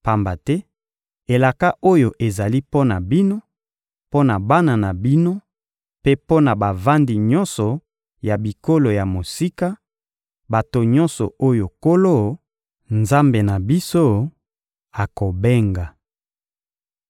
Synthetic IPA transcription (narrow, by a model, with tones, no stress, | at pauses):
pa˨mba˨tɛ˦ | e˨la˨ka˦ʔo˦jo˨ʔe˨za˨li˦po˦na˨bi˦no˦ | po˦na˨ba˦na˨na˨bi˦no˦ | pe˦po˦na˨ba˨va˦ndi˨ɲɔ˦nsɔ˨ | ja˨bi˨ko˦lo˨ja˨mo˨si˦ka˦ | ba˨to˨ɲɔ̃˦nsɔ˨o˦jo˨ko˦lo˦ | nza˦mbe˨na˨bi˦so˦ | a˨ko˨be˦ŋɡa˨